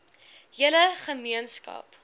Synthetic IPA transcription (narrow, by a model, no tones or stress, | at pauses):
ɦiələχəmiənskɐ̰p